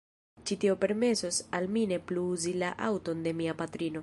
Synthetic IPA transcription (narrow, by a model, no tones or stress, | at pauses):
t͡ʃitio̞pe̞ɾme̞so̞salmine̞pluuzilaʔa̰wto̞nde̞miapatɾino̞